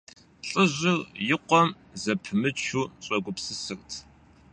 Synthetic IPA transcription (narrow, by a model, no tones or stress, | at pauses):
ɬʼɨʑʷɪrjɪqʷɔm | zɐpʰɨmɨt͡ʃʰuːɕʼɐɡʷʊpsɨsɨrtʰ